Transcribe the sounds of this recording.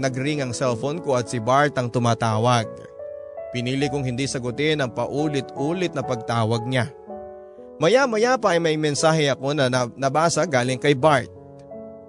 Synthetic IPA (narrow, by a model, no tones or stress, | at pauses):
nɐɡɾɪŋɐŋsɛlfonkoʔɐt̪̚sɪbaɹt̪ɐŋt̪ʊmaːt̪aːwɐɡ̚ | pɪniːlɪkʊŋhɪnd̪isɐɡʊt̪ɪnɐŋpɐʔuːlɪt̪ʔuːlɪt̪̚nɐpɐɡ̚t̪aːwɐɡ̚ɲa | mɐjamɐjapɐʔɐjmɐjmɛnsaːhɛɐko̞nɐnɐbaːsɐɡaːlɪŋkɐjbaɹt̪̚